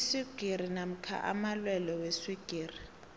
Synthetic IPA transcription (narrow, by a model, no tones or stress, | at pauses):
siɡ̥ʱiɾ̤inam̩kʰa̰ʔa̰malwɛlɔwesiɡ̥ʱiːri